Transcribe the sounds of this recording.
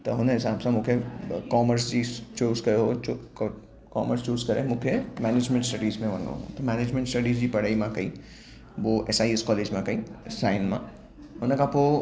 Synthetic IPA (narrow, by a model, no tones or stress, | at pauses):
t̪ɐɦʊnãɦɪsaːbsãmʊ̃kʰekɔːməɾsd͡ʒit͡ʃoːzkɐɾeɦot͡ʃokː | kɔːməɾst͡ʃoːzkɐɾḛmʊ̃kʰemɛːneːd͡ʒmẽɳʈsʈəɖiːzmẽʋɐnõ̰ɦõ̰t̪ɐmɛːneːd͡ʒmẽɳʈsʈəɖiːzd͡ʒipɐɽaːimãkɐi | ʋoʔɛsaːiskɔːleːd͡ʒmãkɐisaːɪnmã̰ | ɦonẽkapo